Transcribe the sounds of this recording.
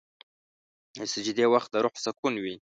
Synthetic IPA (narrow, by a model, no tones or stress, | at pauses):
esəd͡ʒɪd̪ewaxt̪̚d̪əɾʊħsakunwi